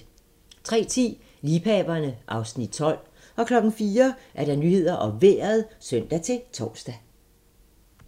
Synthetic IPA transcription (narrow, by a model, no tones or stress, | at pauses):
t͡sʰʁɛ̰ːt͡sʰḭː | liːpʰɛːb̥ɐnəʔɑ̈ʊsnid̥t͡sʰɒ̽l̰ | ʔɒ̽kʰlɒ̽ɡ̥ŋ̩fiːɐʔæɐɾ̥ɑnyhe̝ð̞̰ˠɐʔɒ̽ʋḛɐð̩ˠsøn̰d̥æt͡sʰe̝lt͡sʰɒːsd̥æ